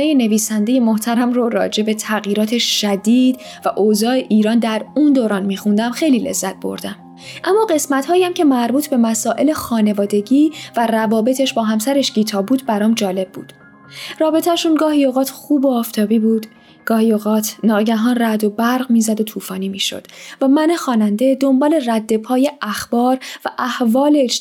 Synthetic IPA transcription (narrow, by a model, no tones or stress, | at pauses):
ejene̞viːsænd̪e̞je̞moht̪ʰæɾæmrorɒ̰ːd͡ʒe̞be̞t̪ʰæɣjiːɾɒːt̪ʰe̞ʃʃæd̪iːd̪ | væʔozɒːeʔiːɾɒːnd̪æɾuːnd̪oːɾɒːnmiːxund̪æmxe̞jliːle̞̰zːæt̪̚b̥o̞̰ɾd̪æm | ʔæmːɒːɢe̞smæt̪hɒːjæmcʰe̞mæɾbuːt̪ʰbe̞mæsɒːʔe̞le̞xɒːnevɒːd̪e̞ɟiːværævɒːbe̞t̪ʰe̞ʃbɒːɦæmsæɾeʃɟiːt̪ʰɒːbuːd̪bæɾɒːmd͡ʒɒːle̞b̚bṵːd̪̥ | rɒːbe̞t̪ʰæʃunɡɒːɦioɣɒːt̪ʰxuːboɒːft̪ʰɒːbiːbuːd̪ | ɡ̥ɒːhioɣɒːt̪ʰnɒːɟæɦɒːnræd̪o̞bæɾʁmiːzæd̪o̞t̪ʰuːfɒːniːmiːʃo̰d̪̥væmænexɒːnænd̪e̞d̪o̞mbɒːle̞ræd̪ːe̞pʰɒːjeʔæxb̥ɒːɾvæʔæhvɒːle